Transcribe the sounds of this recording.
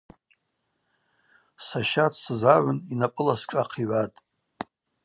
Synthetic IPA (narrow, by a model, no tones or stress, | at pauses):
saʃatʰsɨzaʕʏninapʼɨlaskʼaqʰiʕʷatʼ